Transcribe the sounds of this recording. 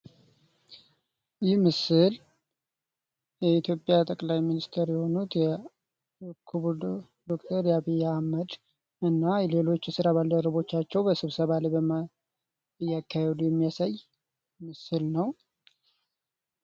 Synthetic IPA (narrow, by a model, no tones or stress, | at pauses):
jɪhmɨsɨl | jɛit̪jo̞pʼjat̪ʼəkʼlajminist̪ʰeɾjɛho̞nut̪jɛ | kʰuβud | d̪o̞kt̪ʰəɾjaβijːaməd̪ | ɨnːajɛle̞lo̞t͡ʃːɛsɨɾaβald̪əɾəβo̞t͡ʃːat͡ʃːɛwbəsɨβsəβalebəma | jːakːahɛd̪ujɛmːijasaj | mɨsɨlnəw